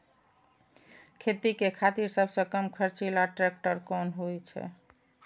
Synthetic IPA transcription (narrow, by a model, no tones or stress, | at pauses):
kʰet̪ikekʰat̪iɾsəbʱsə̃kəmkʰəɾt͡ʃilaʈɾɛk̚ʈəɾkɔnɦojt͡ʃʰɛ̰